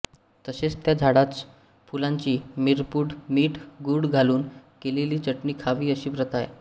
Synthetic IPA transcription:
t̪əɕet͡st̪jad͡zʱaɽat͡s̪ | fulãɲt͡ɕiːmiɾpuːɽmiːʈʰɡuɽɡʱaluːnkeleliːt͡ɕəʈniːkʰaʋiːəɕiːbɾət̪aj

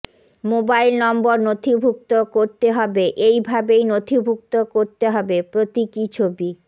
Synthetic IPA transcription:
mobailnɔmboɾnot̪ʰibʱuk̚t̪okoɾt̪eɦɔbeʔejbʱabejnot̪ʰibʱuk̚t̪okoɾt̪eɦɔbepɾot̪ikit͡ɕʰobi

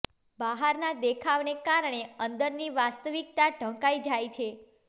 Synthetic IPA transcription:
baɦaɾnad̪ekʰaʋnekaɾɳ̃eənd̪əɾniʋast̪əʋik̚t̪aɖʱə̃ŋkajd͡ʒajt͡ʃʰe

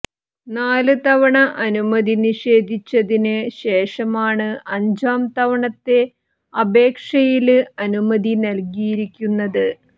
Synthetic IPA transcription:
naːlɨt̪ɐʋɐɳɐʔɐnumɐd̪iniʂe̞ːd̪ʱit͡ɕːɐðinɨɕe̞ːʂɐmaːɳɨɐɲd͡ʑaːmt̪ɐʋɐɳɐt̪ːe̞ | ɐbe̞ːkʂɐjilɐnumɐd̪inɐlkijiɾikʲːunːɐðɨ

